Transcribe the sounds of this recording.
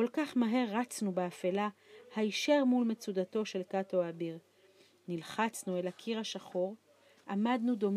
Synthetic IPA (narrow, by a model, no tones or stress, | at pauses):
kolkaχmaɦe̞ʁːat͡snubeafelahaiʃeʁmulmet͡sud̪at̪o̞ʃe̞lkatoabiʁ | nilχat͡snue̞lakʰiʁaʃaχo̞ʁ | ʔamad̪nud̪o̞m